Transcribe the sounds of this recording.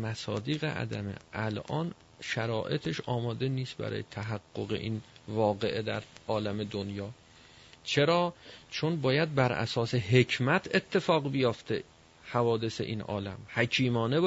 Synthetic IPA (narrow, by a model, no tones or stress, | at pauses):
mæsɒːd̪iːɣḛʔæ̰d̪æmḛʔælʔɒːn | ʃæɾɒːʔe̞t̪ʰeʃɒːmɒːd̪eniːst̪bæ̰ɾɒ̰ːjet̪ʰæɦæɡːo̞ɣḛʔiːnvɒːɣe̞ʔed̪æɾʔɒːlæmed̪onjɒː | t͡ʃʰe̞ɾɒːt͡ʃʰonbɒːjæd̪̚bæɾʔæ̰sɒːseɦe̞cʰmæt̪ʰet̪ʰːe̞fɒːɣbejoft̪e | hævɒːd̪e̞sḛʔḭːnʔɒ̰ːlæmhækʰiːmɒːne